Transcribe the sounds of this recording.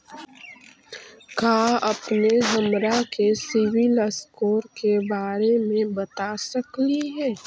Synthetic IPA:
kaːɐpneɦɐmɾakesɪʋɪləskoːɾkebaːɾemẽbət̪asəkliɦɛː

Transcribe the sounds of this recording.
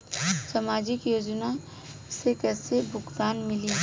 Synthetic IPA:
samaːd͡ʒɪkjoːd͡ʒna | sekɛːsebʱʊɡt̪aːnmɪli

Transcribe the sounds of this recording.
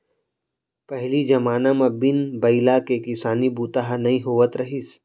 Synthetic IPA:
pɐɦlid͡ʒɐmaːnamãbɪnbɐɪlakekɪsaːnibuːt̪aɦnɐĩɦoːʋət̪ɾɐɦis

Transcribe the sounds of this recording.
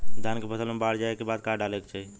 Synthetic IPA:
d̪ʱankepəsəlmebaɽd͡ʒaekebad̪̚kaɖalekt͡ʃʰɛ

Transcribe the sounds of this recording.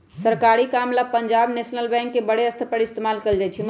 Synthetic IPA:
səɾkaɾikamlapəɲd͡ʒabnesnəlbɛ̃ŋkːebəɽeəst̪ʰəpəɽist̪emalkeld͡ʒat͡ʃʰim

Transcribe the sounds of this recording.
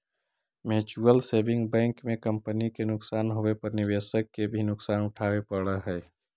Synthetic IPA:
meːt͡ʃuəlseːbɪ̃ŋɡbɛ̃ːŋkmẽkə̃mpənikenʊksaːnɦoepɐɾnɪʋeːsəkːebʱinʊksaːnʊʈʰaːwepəɽəɦɛː

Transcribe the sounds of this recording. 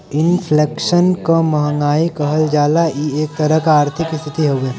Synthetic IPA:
ɪnpʰleːkʃənkomɐɦəŋɡaːikɐɦəld͡ʒaːlaieːk̚t̪ɐɾəɦkaːɾt̪ʰɪkɪst̪ʰɪt̪iɦoːɡeː

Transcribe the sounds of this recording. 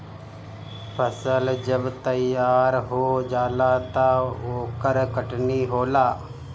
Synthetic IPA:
pʰəsəld͡ʒəbt̪əjaːɾɦoːd͡ʒaːlaːt̪aːoːkəɾkəʈniːɦoːlaː

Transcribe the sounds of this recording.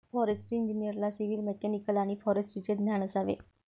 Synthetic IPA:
fɔɾesʈiiɲd͡ʑinijəɾlasiʋilmɛkɛnikəlaɽ̃ifɔɾesʈit͡ɕed̪njaɽ̃əsaʋḛ

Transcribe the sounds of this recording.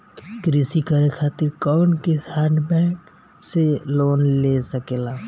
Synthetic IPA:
kɾisikaɾekʰaːt̪ɪɾkɔːnkesaːɳɖbɛːk | seloːnlesəkeːlaː

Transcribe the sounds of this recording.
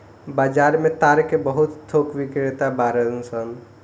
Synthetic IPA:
baːd͡ʒaɾmẽt̪aɾkebəɦut̪t̪ʰokʋikɾet̪abaɾəlũsən

